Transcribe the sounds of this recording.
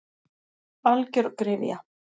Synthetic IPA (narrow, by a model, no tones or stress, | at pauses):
alcʏɾkɾɪːvja̰